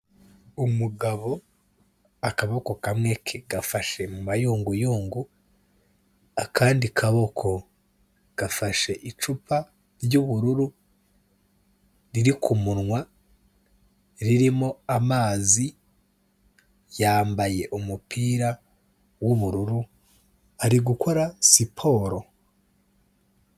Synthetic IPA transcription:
umuɡaβo̞ | akaβo̞ko̞kamŋe̞kʰeɡafaʃe̞mumajuːŋɡujuːŋɡu | akʰaːndikʰaβo̞kʰo̞ | ɡ̥afaʃe̞ʔit͡ʃupa | ɾjuβuɾuɾu | ɾiɾikʰumunŋwa | ɾiɾimo̞amaːzi | jaːmbaje̞ʔumupʰiːɾa | wuβuɾuɾu | aɾiɡukʰo̞ɾasipʰo̞ɾo̞

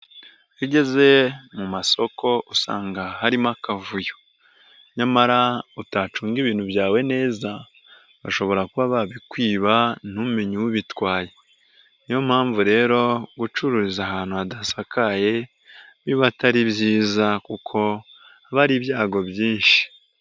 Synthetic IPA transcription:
ɾiɟe̞ze̞mumaso̞ko̞ʔusa̰ːŋɡahaɾimakavujo̥ | ɲamaɾautaːt͡ʃuːŋɡiβiːn̥huβjaːwe̞ne̞ːza | βaʃo̞βo̞ɾakuβaβaβikwiːβan̥umumiɲuwuβitwaːje̞ | nijo̞mhaːɱvuɾe̞ːɾo̞ɡut͡ʃuɾuɾizaɦaːn̥huadasakaje̞ | βiβataɾiβjiːzakukʰo̞ | aβaɾiβjaːɡo̞bjiːnʃi̥

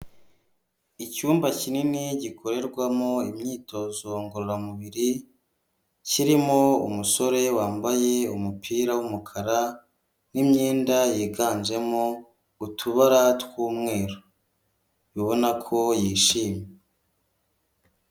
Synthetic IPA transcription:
icuːmbacininiɟikʰo̞ɾe̞ɾɡwamoimɲiːto̞zo̞ŋɡoɾoɾamuβiɾi | ciɾimoṵmuso̞ɾe̞waːmbaje̞umupʰiːɾawumukʰaɾa | nimɲiːndajiːɡaːnd͡ʒe̞mo | utʰuβaɾatkuːmŋe̞ːɾo | jiβo̞nakʰo̞jiːʃiːmje

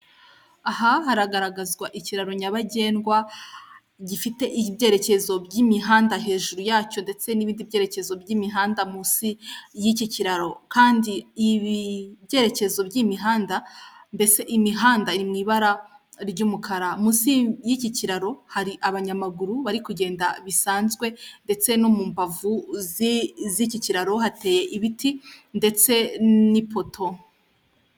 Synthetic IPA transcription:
ahahaɾaɡaɾaɡazɡwaʔiciɾaɾo̞ɲaβaɟe̞ːnɡwa | ɟifite̞ʔibɟe̞ːɾe̞ce̞zo̞bɟimiɦaːndaɦe̞ːʒuɾujaːco̞nde̞t͡se̞niβiːndibɟe̞ːɾe̞ce̞zo̞bɟimiɦaːndamusijiciciɾaɾo̞kaːndiiβibje̞ːɾe̞ce̞zo̞bɟimiɦaːndande̞t͡se̞ʔimiɦaːndaiɾimŋiːβaɾa | ɾɟuːmukʰaɾamusijiciciɾaɾo̞haɾiʔaβaɲamaɡuɾuβaɾikuɟe̞ːndaβisaːnzɡwe̞nde̞t͡se̞no̞muːmbavuzziciciɾaɾo̞ɦate̞ːje̞ʔiβitʰinde̞t͡se̞nipo̞tʰo

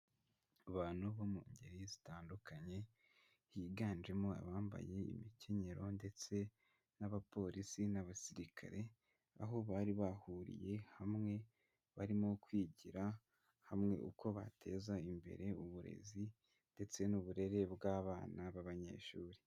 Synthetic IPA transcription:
aβaːn̥huβomṵːɲɟḛɾizitaːndukaɲe̞ | hiɡaːnd͡ʒe̞moa̰βaːmba̰je̞ḭmicʰe̞ɲe̞ɾo̞nde̞t͡se̞ | naβapo̞ɾʔisinaβasiɾikʰa̰ɾe̞ | a̰ɦo̞βaːɾiβahuɾḭje̞hamŋe̞ | βaɾimo̞kwiːɟiɾa | hamŋe̞̰ʔṵko̞βa̰tʰe̞ːzaimbe̞̰ɾe̞uβuɾe̞̰zi | nde̞t͡se̞nuβuɾe̞ɾe̞bɡaːβaːnaβaβaɲe̞̰ːʃuːɾi

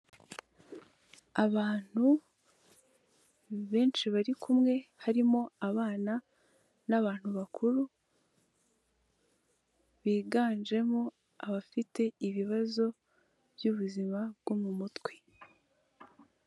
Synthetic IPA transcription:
aβaːn̥hu | βe̞ːnʃiβaɾikʰumŋe̞haɾimo̞aβaːna | naβaːn̥huβakʰuɾu | βiːɡaːnʒe̞mo̞ | aβafite̞iβiβazo̞ | bjuβuzimabɡ̥omumutwe

